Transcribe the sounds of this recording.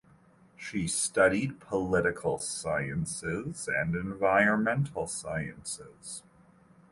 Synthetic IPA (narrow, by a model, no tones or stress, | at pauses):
ʃistʌɾid̚pʰəlɪɾɨkʰl̩ˠsaɪɨ̃nsɪzɨ̃nɨ̃ɱvaɪɹɨ̃nmɛ̃ntʰl̩ˠsaɪɨ̰̃nsɪz̥